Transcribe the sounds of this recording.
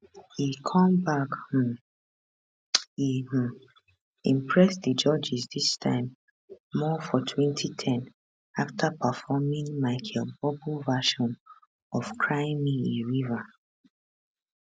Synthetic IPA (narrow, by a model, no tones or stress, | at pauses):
hikʰɔ̃mbakh̩ | im̩ | ĩmpʰɹɛsðəd͡ʒɔd͡ʒisðistʰã̰ɪ̃mː | ɔfɔtʰwɛ̃ntʰitʰɛ̃n | aftʰapəfɔmĩŋmaɪkʰɛbɔbulvaʃɔ̃n | ɔfkʰɹaɪ̃mːiĩɹiva